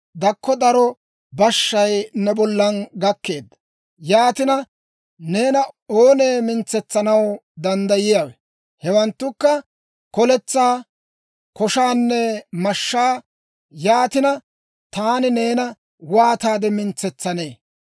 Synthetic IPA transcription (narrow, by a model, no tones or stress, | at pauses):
d̪ɐkːɔd̪ɐɾɔ | bɐʃːɐjnɛbɔlːɐnɡɐkːe̞ːd̪ːɐ̥ | jaːt̪ɪnɐ | ne̞ːnɐoːneːmɪnt͡sːɛt͡sːɐnɐwd̪ɐnd̪ɐjɪjawɛ | hɛwɐnt̪ːʊkːɐ | kɔlɛt͡sːaː | kɔʃaːnːɛmɐʃːaː | jaːt̪ɪnɐ | t̪aːnɪne̞ːnɐ | waːt̪aːd̪ɛmɪnt͡sːɛt͡sːɐne̞ː